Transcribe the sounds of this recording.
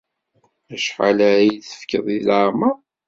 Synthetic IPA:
æʃħa̰læɾjiθə̥fkəðˤilaɾma

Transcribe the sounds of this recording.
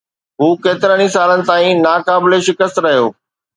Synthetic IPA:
ɦuːkeːt̪ɪɾəɽ̃ĩsaːlənɪ̆t̪aːĩnaːkaːbɪleʃɪkəst̪ɾɐɦijoː

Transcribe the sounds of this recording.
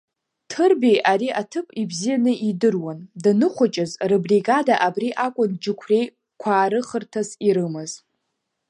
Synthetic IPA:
tʰɨrbejʔaɾiʔatʰɨpʼibzijanɨʔidɨrwandɨnɨχʷat͡ʃʼɪzrebriɡadaʔabriʔakʷʼʊnd͡ʒɪkʷʰre̞j | kʷʰaːɾɨχərtʰaziɾɨmɨz

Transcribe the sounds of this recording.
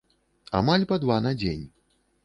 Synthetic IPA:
a̰malʲpad̪vanad͡zʲenʲ

